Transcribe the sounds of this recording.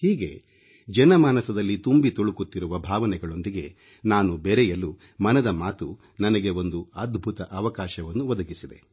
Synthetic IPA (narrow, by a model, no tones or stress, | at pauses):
hiːɡe̞̰ | d͡ʒɛnɐmaːnɐsɐd̪ɐlːit̪umbit̪oɭukut̪ːiɾuʋɐbʱaːʋɐnɛɡɐɭo̞nd̪iɡe̞ | naːnubeɾɛjɐlːu | mɐnɐd̪ɐmaːt̪u | nɐnɐɡe̞o̞nd̪uɐd̪bʱut̪ɐʔɐʋɐkaːʃɐʋɐnːuʋɐd̪ɐɡisid̪e̞̰